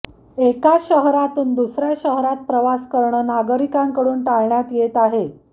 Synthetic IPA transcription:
ekaɕəɦɾat̪uːnd̪usɾjaɕəɦɾat̪̚pɾəʋaskəɾɳəːnaɡəɾikaŋkəɽuːnʈaɭɳjat̪jet̪aɦe

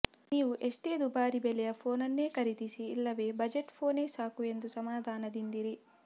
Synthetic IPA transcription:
niːʋuʔeʂʈe̞ːd̪ubaːɾibɛlɛjɐpʰo̞ːnɐnːe̞ːkɐɾit̪isiːlːɐʋe̞ːbɐd͡ʒeʈpʰo̞ːne̞ːsaːkue̞nd̪usɐmaːd̪ʱaːnɐd̪ind̪iɾi

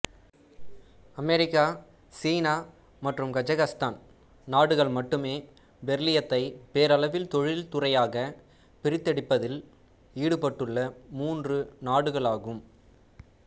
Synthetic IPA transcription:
ɐmɛɾɪkːaː | siːnaː | mɐʈrɯmkɐd͡ʒɐɣɐst̪aːn | naːɽɯɣɐɭmɐʈːɯmeː | ʋɛɾlɪjɐt̪ːɐɪpeːɾɐlɐʋɪlt̪ɔɻɪlt̪ʊrɐjaːɣɐ | pɪɾɪt̪ːɐɽɪpːɐðɪl | iːɽɯpɐʈːɯɭːɐmuːndrɯnaːɽɯɣɐɭaːɣɯm

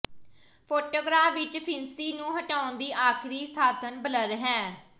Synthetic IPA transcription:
pʰoːʈoːɡɾaːfʋɪt͡ʃpʰɪnsiːnũːɦəʈaːʊnd̪iːʔaːkʰɾiːsaːd̪ʱənbələɾɦɛ̃ː

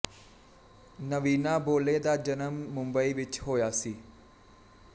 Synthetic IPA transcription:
nəʋiːnaːboːleːd̪aːd͡ʒənəmːʊmbəiːʋɪt͡ʃɦoːjaːsiː

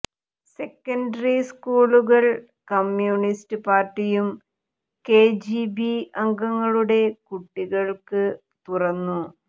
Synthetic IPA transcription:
se̞kːɐnɖɐriskuːɭuɣɐɭ | kɐmjuːnistɨpaːrʈːijum | ke̞ːd͡ʑibiɐŋɡɐŋːɐɭuɽe̞kuʈːiɣɐɭkɨ | t̪urɐnːu

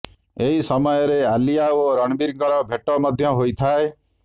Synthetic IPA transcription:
eɦisɔmɔjɔɾealijaoɾɔɽ̃biɾŋkɔɾɔbʱeʈɔmɔd̪ʱjɔɦojt̪ʰae

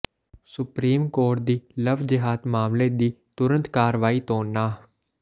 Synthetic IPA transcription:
sʊpɾiːmkoːʈ̚d̪iːləʋd͡ʒɪɦaːd̪maːmleːd̪iːt̪ʊɾənt̪kaːɾʋaːiːt̪oːnːaː

